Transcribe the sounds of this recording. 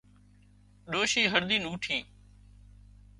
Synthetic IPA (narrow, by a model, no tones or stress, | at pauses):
ɗoːʃiːɦəɾd̪iːnuːʈʰĩː